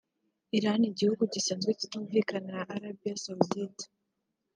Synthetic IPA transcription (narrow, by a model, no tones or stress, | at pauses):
iɾaniɟihuɡuɟiseːnzɡwecituːɱvikanaʔːɾabijasawvietḁ